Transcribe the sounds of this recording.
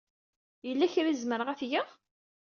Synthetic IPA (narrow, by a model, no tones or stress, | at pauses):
jəlːæçɾizməɾʁæfjæ